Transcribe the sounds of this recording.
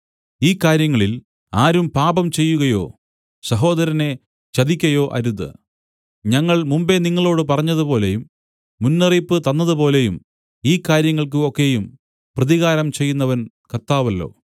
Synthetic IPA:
iːkːaːɾjɐŋːɐɭil | aːɾumpaːbɐmt͡ɕe̞jːuɣɐjo̞̰ː | sɐɦo̞ːðɐɾɐne̞ | t͡ɕɐðikʲːɐjo̞ːʔɐ̰ɾuðːɨ̰ | ɲɐŋːɐɭmumbe̞niŋːɐɭo̞ːɽɨpɐrɐɲːɐðupo̞ːle̞jumː | unːɐripːɨt̪ɐnːɐðɨpo̞ːle̞jum | iːkːaːɾjɐŋːɐɭk̬ɨokːe̞jum | prɐðiɣaːɾɐmt͡ɕe̞jːunːɐʋɐn | kɐrt̪aːʋɐlːo̞̰ː

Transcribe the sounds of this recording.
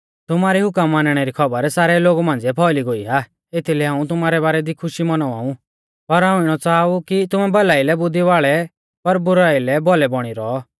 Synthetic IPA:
t̪ʊmaːɾiɦʊkəmːaːnɽ̃ɛɾikʰɔbəɾsaːɾɛloːɡumãːnd͡zɛpʰɔːliɡoiɦaː | et̪ʰilɦãːũt̪ʊmaːɾɛβaːɾɛd̪ikʰʊʃimɐnɔa̰ːũ | pɐɾɦãːũɪɽ̃ɔt͡saːukit̪ʊmɛbɐlaːilɛbʊd̪ʱiʋaːɭɛ | pɐɾbʊɾaːilɛbɔlɛbɔɽ̃iɾɔː

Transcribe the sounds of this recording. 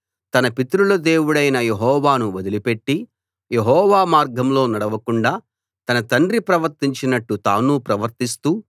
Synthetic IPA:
t̪ɐnɐpit̪ɾulɐd̪e̞ːwuɽɐjnɐje̞ɦɔːʋaːnuʋɐd̪ilipe̞ʈːi | jeɦɔːʋaːmaːɾɡʱɐmlo̞ːnɐɽɐʋɐkuɳɖaː | t̪ɐnɐt̪ɐɳɖɾipɾɐʋɐɾt̪iɲt͡ʃinɐʈːut̪aːnupɾɐʋɐɾt̪ist̪uː

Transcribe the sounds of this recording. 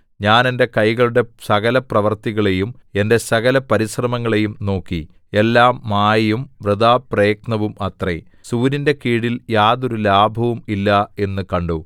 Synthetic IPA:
ɲaːne̞nde̞kɐjɣɐɭuɽe̞sɐɣɐlɐprɐʋɐrt̪iɣɐɭe̞jume̞nde̞sɐɣɐlɐpɐɾisrɐmɐŋːɐɭe̞jumno̞ːkːi | e̞lːaːmːaːjɐjumʋrɨd̪aːprejknɐʋumɐt̪rḛ | suːɾinde̞kiːɽiljaːðo̞ɾulaːbʱɐʋumilːɐe̞nːɨkɐɳɖu

